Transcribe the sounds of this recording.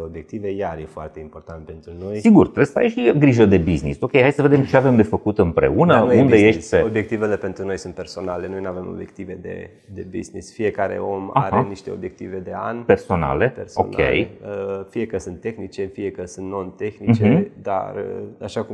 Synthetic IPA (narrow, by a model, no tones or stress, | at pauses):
obje̞k̚t̪ive̞jaɾjefoart̪e̞impo̞rt̪ant̪̚pe̞nt̪ɾuno̞jsiɡurt̪ɾesəa̰jʃiɡɾiʒəd̪e̞bizniso̞kʲejhajsəve̞d̪e̞mt͡ʃeave̞md̪e̞fəkut̪ɨmpɾe̞̰unəund̪ejeʃeobjek̚t̪ivelepe̞nt̪ɾuno̞jsunt̪pe̞rso̞nale̞nojnuavemo̞̰bje̞k̚t̪ive̞d̪ḛ | d̪ebḭznḭsfije̞kaɾḛo̞maa̰ɾeniʃt̪e̞obje̞k̚t̪ive̞d̪e̞a̰npe̞rso̞na̰le̞perso̞̰nkḛjəfije̞kəsɨnt̪ːe̞xnit͡ʃe̞fije̞kəsɨnt̪no̞nt̪e̞xnit͡ʃed̪a̰ɾaʃaku